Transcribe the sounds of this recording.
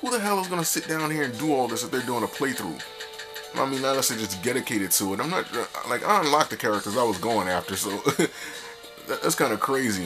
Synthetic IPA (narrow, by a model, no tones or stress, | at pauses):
huðəɦaəzɡʌnəsɪt̚d̥ãʊ̃nhiɹɨ̃ndəɔlˠðɪs̬ðət̪̚ðə˞duɪ̃ŋəpʰl̥eɪθɹṵ | aɪmĩnaɪlɛsɨd͡ʒʌsdɛɾɨkʰeɪɾɨd̚tʰəːɾãɪ̃mnət̚laɪka̰ɪ̃nlak̚ðɨkʰɛɹɨk̚tə˞zaɪwʌzɡoʊɪ̃ŋæftə˞soʊ | ðæðæ̰tskʰãɪ̃ndɨkʰɹ̥eɪzi